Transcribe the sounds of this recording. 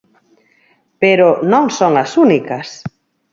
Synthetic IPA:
peɾonõŋsoŋɐsunikɐs

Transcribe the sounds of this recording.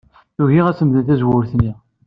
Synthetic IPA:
θuʝiʁæsəmðənθæzwʊɾθnːi

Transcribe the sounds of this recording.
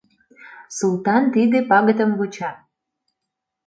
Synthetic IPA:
sulˠt̪ɑnt̪id̪epɑɣət̪əmβut͡ɕɑ

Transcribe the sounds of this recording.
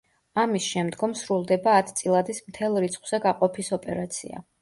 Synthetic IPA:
amisʃɛmd̪ɡɔmsɾulˠd̪ɛbaːt̪ʰt̪sʼilˠad̪ismt̪ʰɛlˠɾit̪sʰχwz̥ɛɡaqʼɔpʰisɔpʼɛɾat̪sʰḭa̰

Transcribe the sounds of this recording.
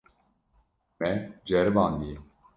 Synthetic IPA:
mɛd͡ʒɛɾɨvaːnd̪ijɛ

